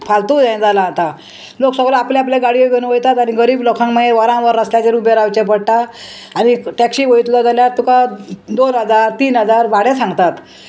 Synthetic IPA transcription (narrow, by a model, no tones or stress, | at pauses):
pʰalt̪uːd͡zajd͡zalaːt̪a | loksəɡlɔ̃apljaapljaɡaɽijoɡenuʋəjt̪at̪añiɡəɾiːblɔkʰãŋməeʋəɾãʋəɾːəsljat͡ɕeɾubjeɾawt͡ɕepəɽʈaː | ɽ̃iʈɛkɕiːʋəjt̪lɔd͡zaljat̪ukad̪onɦəd͡zaɾt̪iːnɦəd͡zaɾʋaɽesãŋɡt̪at̪